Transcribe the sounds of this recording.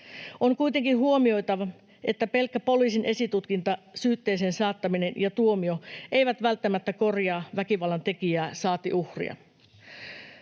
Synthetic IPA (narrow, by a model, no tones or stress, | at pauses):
ʔoŋkujt̪e̞ŋkinɦuo̞mio̞jt̪ɑʋɑ | ʔe̞t̪ːæpe̞lkːæpo̞liːsinʔe̞sit̪ut̪kint̪ɑsyːt̪ːe̞ːseːnsɑːt̪ːɑmine̞njɑt̪uomio̞ʔe̞jʋæt̪ʋælt̪ːæmæt̪ːæko̞rjɑːʋækiʋɑlːɑnt̪e̞kijæːsɑːt̪iʔuhrḭɑ̰